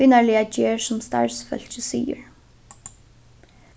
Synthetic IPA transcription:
iːnaɹlɪad͡ʑeːɹsʊmst̪a̰ɹsfœ̰l̥t͡ʃəsḭːə̰ɹ

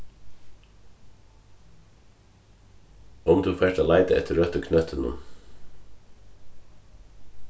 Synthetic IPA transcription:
ɔmd̪ʉːfeːʈəlæɪd̪əɛ̰t̪ɾœt̪əkʰnœt̪ʰənʊ̰m

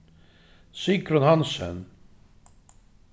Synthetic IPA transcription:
sikɾʏnhansɛ̰n

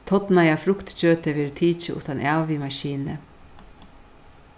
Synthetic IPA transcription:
t̪ʰɔt̪najafɾʊkt̪t͡ɕøːt̪ɪʋɛːɾt̪ʰiːt͡ʃɪʔʊ̰ht̪anʔaːvimaʃiːnə

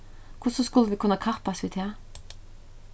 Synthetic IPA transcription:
kʰʊsɔskʉləʋiːkʰʉnːakʰɑʁpaɑsʋiːd̪heː

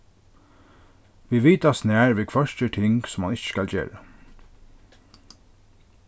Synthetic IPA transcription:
ʋiːʋiːt̪asnæːɹʋeːkʰʋœʃtət̪ʰɪŋɡsɔmhɑnɪçə̥skɑlçḛːɹə

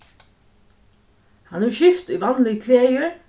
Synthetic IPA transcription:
hɑnʉːʃʏft̪iːʋɑnlɪɡkʰleːəɹ

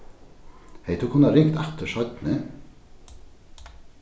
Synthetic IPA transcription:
heɪt̪ʰʉːkʰʊnɑɾɪŋt̪ɛt̪əʃɑʏt̪nə

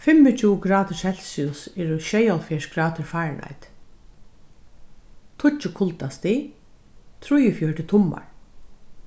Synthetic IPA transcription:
fɪmːɪt͡ʃʰuːɡɾaːt̪ʃhɛlsiʊsɛːɾʊʃɛjalfɛʂɡɾaːt̪ʰəɹfaːɹnʔa̰jt̪ | t̪ʰʊt͡ʃːɪkʰʊlt̪ast̪i | t̪ʰɾʊjəfjœɹʈɪt̪ʰʊmːa̰ɹ

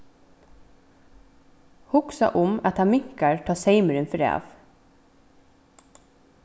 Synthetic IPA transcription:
hʊksɑ̰ʔʊmɑt̪ɑːmɪŋkəɹtʰɑːseɪməɾʉnfœɾæ̰ːʋ

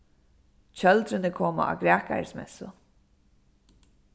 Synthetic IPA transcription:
t͡ɕœld̪ɾɪnɪkʰɔːma̰ʔa̰ːɡɾɛːka̰ɹsmɛ̰sʊ

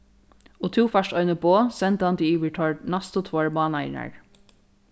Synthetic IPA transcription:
oːt̪ʰuːfœʃtœʏnəboːsɛnt̪əɑnt̪iiːʋəʈʰɔɹɖnɑst̪ot̪ʰʋɔɹmɑːnɑɪnə̰ɹ

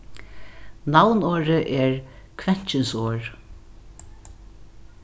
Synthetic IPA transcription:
nawnoːɹəʔɛɹkʰʋɛn̥t͡ʃɪnsoːɹ

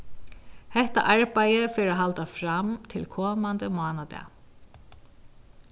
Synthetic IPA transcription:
hɛht̪a̰ʔaɹpajəfɪːɾaɦalt̪afɾamt̪ʰɪlkʰɔːmand̪əmʊaːnad̪ɛ̰

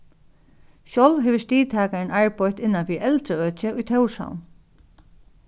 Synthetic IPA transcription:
ɕɔwlvɦɛʋɪst̪iːt̪ʰaːkaɪnʔaɹpʰɔt̪ɪnːanfiʔɛlt̪ɾəœːt͡ɕɪʊjt̪ʰœwʂa̰wn

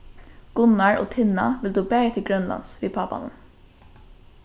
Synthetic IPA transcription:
ɡ̥ʊnaɹo̰ːt̪ʰɪna̰ʋɪld̪uːbæːɹət̪ʰɪlɡɹœnla̰nsʋiːpʰɑːpa̰nə̰m

